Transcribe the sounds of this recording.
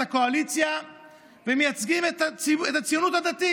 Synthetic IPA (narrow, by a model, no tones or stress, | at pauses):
akoalit̪sja | vemiat̪sɡimɛt̪asiɛt̪ːasionut̪ad̪at̪i